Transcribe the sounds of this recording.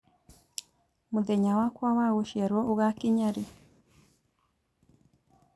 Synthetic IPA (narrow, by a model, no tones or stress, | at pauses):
mud̪eɲawakwawaɣuʃɛɾwɔuɣakɪɲaɾi